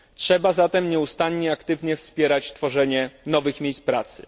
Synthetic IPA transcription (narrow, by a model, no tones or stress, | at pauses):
tʂɛbazat̪ɛmɲɛust̪aɲɲɛakt̪ɘvɲɛfspʲjɛɾat͡ɕt̪fɔʐɛɲɛnɔvɘxmʲejspɾat̪sɘ̰